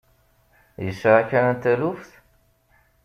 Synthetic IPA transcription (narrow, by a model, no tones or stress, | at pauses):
jəsɾakænənt̪ælufθ